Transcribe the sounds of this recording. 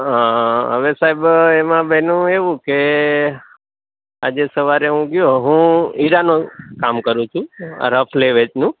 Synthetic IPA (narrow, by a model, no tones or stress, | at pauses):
ɦãɦə̰ʋesaɦibemãbɛnũeʋũke | a̰d͡ʒesəʋaɾeɦũɡjoɦũiɾanokamkəɾũt͡ʃʰṵ̃ɾəfʰleʋet͡ʃnũ